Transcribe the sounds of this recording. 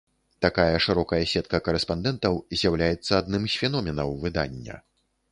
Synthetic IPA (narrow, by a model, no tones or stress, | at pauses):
t̪akajɐʂɨɾɔkɐjɐsʲɛt̪̚kɐkɐɾɛspand̪ɛnt̪ɐwzʲjawlʲajɛt̪sːɐad̪nɨmsʲfʲɛnɔmʲɛnɐwvɨd̪a̰nʲːɐ̰